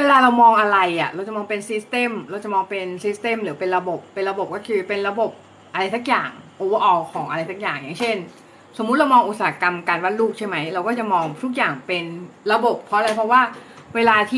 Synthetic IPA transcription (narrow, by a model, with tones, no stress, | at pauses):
weː˧laː˧ɾa˧wmɔː˧ŋʔa˧ɾa˧jʔa˨˩ɾa˧wt͡ɕa˨˩mɔː˧ŋpe˧nsi˦˥st̪e˧˥˩mɾa˧wt͡ɕa˨˩mɔː˧ŋpe˧nsi˦˥st̪e˧˥˨mɾɯː˩˦pe˧nɾa˧bo˨˩pːe˧nɾa˧bo˨˩p̚kɔː˥˩kʰɯː˧pe˧nɾa˧bo˨˩p̚ | ʔa˧ɾa˧jsa˦˥k̚jaː˨˩ŋʔoː˧wa˧˩ʔɔː˧kʰɔː˩˦ŋʔa˧ɾa˧jsa˦˥k̚jaː˨˩ŋjaː˨˩ŋt͡ɕʰe˥˩n | so˨˩˦mː˦˥t̪̚ɾa˧wmɔː˧ŋʔu˨˩t̪̚saː˩˨˦a˦˥ka˧mkaː˧nwa˥t̪̚luː˥˩k̚t͡ɕʰa˥˩jma˦˥jɾa˧wkɔː˥˩t͡ɕa˨˩mɔː˧ŋt̪ʰu˦˥˩k̬̚jaː˨˩ŋpe˧nɾa˧bo˨˩pʰːɔ˦˥ʔa˧a˧jpʰɔ˦˥waː˥˩weː˧laː˧t̪ʰiː˥˩